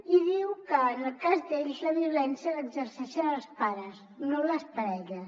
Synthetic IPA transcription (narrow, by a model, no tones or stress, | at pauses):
iðiwkəːnəlˠkazðeʎzləβiulɛnsiələɡzərsɛʃənəlˠspaɾəs | noləspəɾɛʎəs